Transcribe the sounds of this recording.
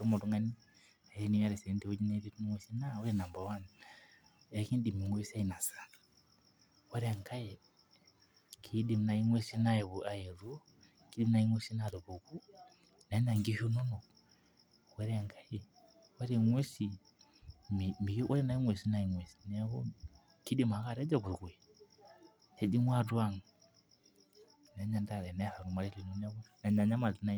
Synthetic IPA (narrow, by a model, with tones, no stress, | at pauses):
u˦mo˨tu˦ŋa˦ni˦ | a˨e˦ni˦ja˦ɾe˨se˨˦ndi˨o˦d͡ʒi˦neɾi˦tu˦ni˦ŋwe˦si˦nao˦ɾena˨mba˨wa˦na | ekiː˦ndi˨mi˨ŋwe˦sia˦ina˨sḁ | wo˦ɾea˨ŋka˦je | kʰidi˨mna˨i˦ŋwe˦si˦na˦e˨βu˨a˨je˨ɾu˦ | ki˦di˦mna˦i˦ŋwe˦si˦na˨ɾe˨βu˨ku˦ | na˨i˦na˨ŋɡi˦ʃo˦no˦no˨ | wɛ˦ɾɛ˦˨ŋɡa˦jɛ˨ | wɛ˦ɾi˨ŋwe˦si˨ | mi˨mi˨˦wa˦ɾi˦na˨˦i˦ŋwɛ˨si˦na˨i˨ŋwɛ˨si̥˨nɛ˦hɔ˦ | ki˦di˦˨ma˨˦ka˨ɾɛ˦d͡ʒa˦kʷu˨kwɛ˨ | e˨˦di˦mwa˦˨dwa˦˨ŋu˨ | nɛ˨˦ɲa˨nda˦˨ɾɛ˨nɛ˦ha˨ɾu˨ma˨ɾi˦li˨nu˦na˦βna˨ɲa˨ɲa˦ma˨di˦na˦